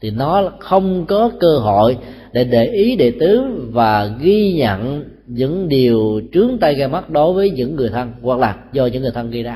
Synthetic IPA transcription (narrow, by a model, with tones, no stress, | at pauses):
t̪ʰi˨˩nɔ˨˦xə˧wŋ͡mkɔ˨˦kəː˧ɦo˧˨j | ɗe˧˩ɗe˧˩ʔi˨˦ɗe˧˨t̪ɨ˨˦vaː˨˩ɣi˧ɲə̰˧˨n | ɲɨ̰˧˥ŋɗi˨˩əwt͡ɕɨ˨˦əŋt̪a˧jɣaː˧ma˦˥t̚ɗo˨˦jvəː˨˦jɲɨ̰˧˥ŋːɨ˨˩əjt̪ʰə˧nwa˨˩k̚laː˨˩zɔ˧ɲɨ̰˧˥ŋːɨ˨˩t̪ʰə˧nŋɣi˧jzaː˧